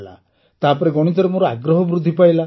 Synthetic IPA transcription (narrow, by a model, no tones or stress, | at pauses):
la̰ | t̪apɔɾeɡɔɽ̃it̪ɔɾemoɾɔaɡɾɔɦɔbɾud̪ʱːipajla